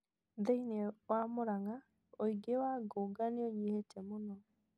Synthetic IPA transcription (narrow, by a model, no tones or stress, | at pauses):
deinewamoɾaŋa | oiɡewaɡoːɡaneoɲehetɛmonɔ